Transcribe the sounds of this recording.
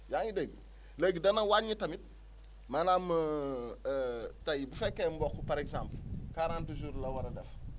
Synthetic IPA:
jaŋideɡ | leɡidɐnɐwaɲitɐmit̚ | manamə | tajibufɛkːembɔkːupaɾeksãmplkaɾaːntud͡ʒuːɾlɐwɐɾɐdɛf

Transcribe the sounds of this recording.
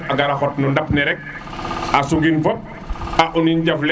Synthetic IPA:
aɡaɾaxɔt̚nundapnɛɾɛk̚ | asuɡinfɔp̚ | aʔuniɲɟɐfl

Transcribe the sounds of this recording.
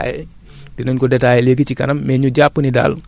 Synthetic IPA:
jɛ | dinɔɲkɔdɛtaːjɛleɡit͡ʃikɐ̰nɐmːɛɲuɟaːpːənida̰ːl

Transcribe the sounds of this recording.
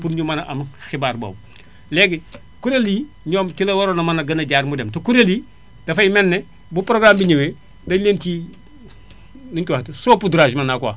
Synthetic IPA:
puɾɲumɐnɐʔɐmxibaːɾbɐ̰w | leɡi | kuɾeli | ɲoːmtilɐwɐɾonɐmɐnɐɡɐnɐɟaɾmudemtokuɾeli | d̥ɐfɐjimɛnːɛ | bupɾoɡɾambiɲewe | dɐleːnki | niŋkiwahtisopuduɾaʒmɐnakwa̰

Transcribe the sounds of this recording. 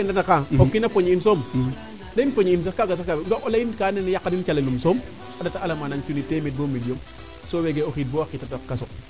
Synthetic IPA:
inatakapopkinapoɲinsoːm | denpoɲins̬akkaɡas̬akabɡoolainkanenjakːanint͡ʃalelumsoːm | adataalamanant͡ʃuniteːmit̚bomilijom | soweɡeokit̚bowakːitadokkaso

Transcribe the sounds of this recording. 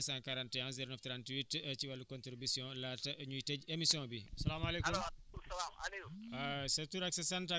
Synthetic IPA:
sãkaɾantjãŋziɾonɐft̪ɾantwitɐciwɐlukont̪ɾibisiɔ̃latɐʔɐɲuitɛɟemisiɔ̃ːbiɐsɐlaːmaleːkumɐlaa̰leasetuɾaksesanta

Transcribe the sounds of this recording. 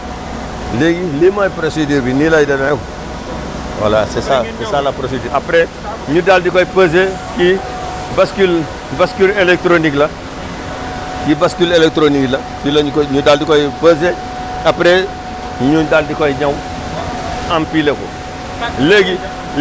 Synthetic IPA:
leɡilemajpɾosidiːɾbinilajdɐnaɛko | wa̰la̰sɛsasɛsaːlapɾosidiapɾe | ɲudaldikɔjpəz̬e | ki | baskil | baskylelek̚tɾoniklɐ | kibaskulelek̚tɾoniklɐ | kiloɲkɲudaldikɔjpəze | apɾe | ɲudaldikɔjɲaw | ampilekɔ̰ | leɡi

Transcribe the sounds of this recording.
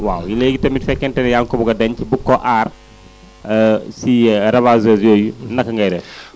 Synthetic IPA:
wa̰ːwjileɡitɐmitfɛkːɛntɛnɛjaŋkɔbuɡɐdɐɲcibukːɔʔaːr | siɾɐbaːzɛzjoːjunɐkːɐŋɡɐjɾɛ

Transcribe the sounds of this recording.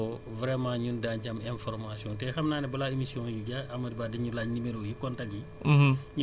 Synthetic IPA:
ɔ | vɾɛmãːɲundaɲɟɐmɛ̃nfɔɾmasiɔ̃ntɛxɐmnaːnɛbɐlaemisiɔ̃ːjuɟaɐmɐdibaːdɐɲulaːɲnimeɾɔjikɔntɐk̚i | ɲu

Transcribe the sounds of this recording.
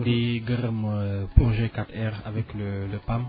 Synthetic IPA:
d̪eɡʁmpɔ̃ʒekat̪ɛʁa̰vɛklələpam

